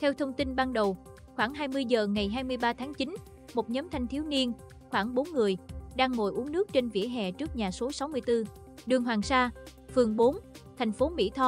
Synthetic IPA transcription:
t̪ʰɛ˧wt̪ʰə˧wŋ͡mt̪i˧nɓaː˧nɗə˨˩w | xwaː˧˩ŋɦaː˧jmɨ˧əjzəː˨˩ŋa˨˩jɦaː˧jmɨ˧əjɓaː˧t̪ʰaː˨˦ŋt͡ɕi˨˦n | mo˨˩t̚ɲəː˨˦mt̪ʰa˧jŋ̟t̪ʰi˨˦əwni˧ən | xwaː˧˩ŋɓo˨˦nŋɨ˨˩əjɗaː˧ŋːo̰˧˩jʔu˨˦əŋnɨ˦˥ək̚t͡ɕe˧nvḭ˧˥əɦɛ̰˧˨t͡ɕɨ˦˥k̚ɲaː˨˩so˨˦sa˨˦wmɨ˧əjt̪ɨ˧ | ɗɨ˨˩əŋɦwaː˨˩ŋsaː˧ | fɨ˨˩əŋɓo˨˦n | t̪ʰa˨˩ŋ̟fo˨˦mḭ˧˥t̪ʰɔ˧

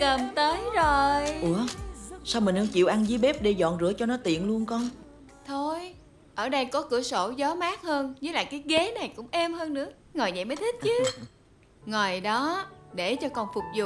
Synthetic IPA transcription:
kə˨˩mt̪əː˨˦jzo˨˩jʔu˧˩əsaː˧wmi˨˩ʔə˧t͡ɕḭ˧˨əwʔa˧nzi˨˦ɓɛ˦˥p̚ɗe˧jzɔ̰˧˨nzɨ̰˧˥ət͡ɕɔ˧nɔ˨˦t̪ḭ˧˨ənlu˧ənkɔ˧n | t̪ʰo˧j | ʔəː˧˩ɗə˧jkɔ˨˦kɨ̰˧˩əso˧˩zɔ˨˦maː˦˥k̚həː˧nzɨ˨˦˥la̰ː˨˩kaː˨˦jɣe˨˦na˨˩jkʊ̰˧˥ŋ͡mʔɛ˧mɦəː˧nːɨ̰˧˥ə | ŋo˨˩jzə̰˧˨jmə˨˦jt̪ʰi˦˥t̟̚t͡ɕɨ˨˦ | ŋo˨˩jɗɔ˨˦ɗe˧˩t͡ɕɔ˧kɔ˨˩nfʊ˨˩k͡p̚zʊ̰˨˩

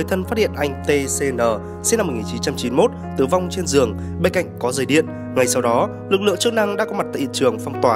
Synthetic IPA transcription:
ə˨˩jt̪ʰə˧nfaː˦˥hḭ˧˨ənʔa˧jŋ̟t̪e˧se˧nəː˨˩ | se˧˨˦na˧m̚ː˨˩ŋi˨˩nt͡ɕi˨˦nt͡ɕa˧mt͡ɕi˨˦nmo˦˥t̚t̪ɨ˨˩va˧wŋ͡mt͡ɕe˧nzɨ˨˩əŋ | ɓe˧nka̰˧˨jŋ̟kɔ˨˦zəː˨˩jɗḭ˧˨ən | ŋa˨˩jsa˧wɗɔ˨˦ | lɨ˨˩k̚lɨ̰˧˨əŋt͡ɕɨ˦˥k̚na˧ŋɗa̰ː˧˥kɔ˨˦ma˨˩t̚t̪a̰ː˧˨ḭ˧˨t͡ɕɨ˨˩əŋfa˧wŋ͡mt̪waː˨˩

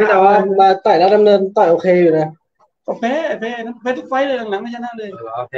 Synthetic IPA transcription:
a˧˥t̪aː˧˩waː˧maː˧t̪ɔː˨˩jlaː˧˩da˧mnɤː˧nt̪ɔ˨˩ʔoː˧kʰeː˧juː˨˩na˧˩ | kɔ˧˩fɛː˧˥˩fe˧˥˨a˧˥˩fɛː˧˥t̪̚ʰːwa˧˥jlɤː˧jlaː˨˧˩ŋla˨˦maː˧˩t͡ɕa˧˩naː˧˥˨ləː˧˩j

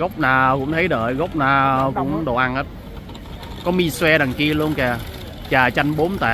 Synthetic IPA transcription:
ɣə˦˥wk͡p̚naː˨˩kʊ̰˧˥ŋ͡mt̪ʰə˨˦jɗə̰ː˧˨˩jɣə˦˥wk͡p̚naː˨˩kʊ̰˧˥ŋ͡mɗo˧˨˩ʔa˧ŋhəː˦˥t̚ | kɔ˨˦mi˧swɛ˧ɗa˨˩ŋki˧əlu˧ənkaː˨˩ | t͡ɕaː˨˩t͡ɕa˧jŋɓo˨˦nt̪a̰ː˧˨

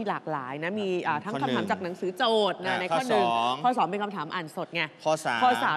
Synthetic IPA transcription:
i˧˩laː˨˩k̚la̰ː˩˦jna˦˥miː˧ʔaː˨˩t̪ʰa˦˥ka˧t̪ʰaː˩˦mt͡ɕaː˨˩k̚na˩˦ŋsɯː˩˦t͡ɕoː˨˩t̪̚na˧˩na˧kʰːɔː˥˩nɯ˨˩ŋkʰɔː˧˥˩sɔː˩˦ŋpe˧nkʰmt̪ʰaː˩˦mʔaː˨˩nso˨˩t̪̚ŋa˧˩ɔː˧˩˨kʰɔː˧˩saː˨˦

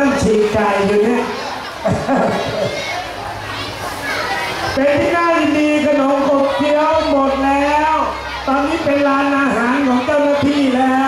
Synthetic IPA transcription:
a˥˩ŋt͡ɕʰiː˨˩ŋka˨˩jju˨˧˩ni˦˥˧ | pe˧nt̪ʰiː˥˩ŋaː˥˩jji˨ndiː˧k̪ʰa˧no˩˦mkʰo˨˩p̚t̪ʰi˦˥əwmo˨˩t̪̚lɛː˦˥w | t̪ɔː˧nːiː˦˥pe˧nlaː˧nʔaː˧ɦaː˩˦nkʰɔː˩˦ŋt̪ʰa˥˩wnaː˧˥˩t̪ʰiː˥˩lɛː˦˥

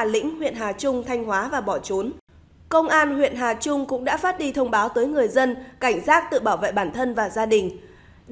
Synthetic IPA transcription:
lḭ̈˧˥ŋ̟hwḭ˧˨ənɦaː˨˩t͡ɕʊ˧ŋ͡mt̪ʰa˧jŋ̟hwaː˨˦vaː˨˩ɓɔ˧˩t͡ɕo˨˦n | kə˧wŋ͡mʔaː˧nhwḭ˧˨ənɦaː˨˩t͡ɕʊ˧ŋ͡mkʊ̰˧˥ŋ͡mɗa̰ː˧˥faː˦˥t̚ɗi˧t̪ʰə˧wŋ͡mɓaː˨˦wt̪əː˨˦jŋɨ˨˩əjzə˧nka˧˩jŋ̟zaː˦˥t̚t̪ɨ̰˧˨ɓaː˧˩wvḛː˧˨jɓaː˧˩nt̪ʰə˧nvaː˨˩zaː˧ɗï˨˩ŋ̟

